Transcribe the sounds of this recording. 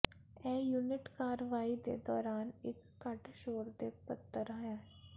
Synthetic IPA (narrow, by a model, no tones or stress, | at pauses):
ɛːjuːnɪʈkaːɾəʋaːid̪ḛd̪ɔːɾaːnɪkːɐʈʃoːɾd̪epət̪ːəɾaːjãː